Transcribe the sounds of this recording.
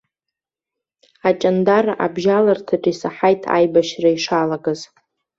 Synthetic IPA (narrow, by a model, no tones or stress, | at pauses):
at͡ʃʼandarʔa̰bʒalartʰaʈ͡ʂʼisaħajtʰa̰jbaʃraiʂalaɡaz